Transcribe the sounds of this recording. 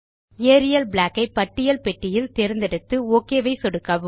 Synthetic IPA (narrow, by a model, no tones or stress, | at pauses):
eːɾɪjɐlbɭaːkːɐɪpɐʈːɪjɐlpɛʈːɪjɪlt̪ɛɾɯnd̪ɛɽɯt̪ːɯoːkːeːʋɐɪsɔɽɯkːaːʋɯ